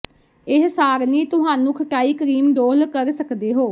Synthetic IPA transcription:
ɪɦsaːɾnĩːt̪ʊɦaːnũːkʰəʈaːiːkəɾiːmɖ̪oːlkəɾsəkd̪eːɦoː

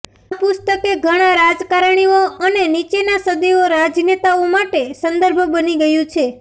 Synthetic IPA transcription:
pʊst̪əkeɡʱəɽ̃ãɾad͡ʒkaɾɳ̃ioənenit͡ʃenasəd̪ioɾad͡ʒnet̪aomaʈesə̃nd̪əɾbʱbəniɡəjũt͡ʃʰe

